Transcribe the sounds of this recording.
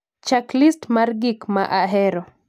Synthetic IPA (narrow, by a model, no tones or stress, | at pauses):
t͡ʃaklistmaɾɡikmaʔaɦɛɾɔ